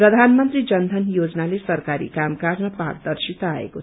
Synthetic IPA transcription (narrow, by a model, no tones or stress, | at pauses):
prʌd̪ʱanmʌnt̪rid͡zʌnd̪ʱʌnjod͡znalesʌrkaɾḭkamkad͡zmapa̰kd̪ʌrsit̪aaḛko